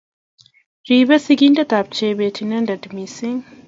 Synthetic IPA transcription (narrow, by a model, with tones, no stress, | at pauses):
ɾiː˨be˦si˦ɡʲi˦ndɐ˦˨ta˨p̚t͡ʃeː˦beː˨tʰi˨nɐ˦ndɐ˨dmi˨sɪ˦ŋ